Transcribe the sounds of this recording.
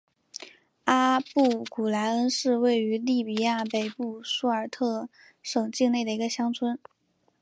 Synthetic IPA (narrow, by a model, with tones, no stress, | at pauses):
a˥pu˥˩ku˨˩la˧˥ɪə˥nʂɻ̩˥˧we˥˩ɪy˧˥li˥˩pi˨˩ja˥˩pe˨˩ɪpu˥˩su˥ə˞˨˩t̪ʰɤ˥˩ | ʂɤ˨˩ŋt͡ɕi˥˧ŋne˥˩ɪd̪ə˩i˧˥ɡə˧ɕjɑ˥ŋt͡sʰwə˥n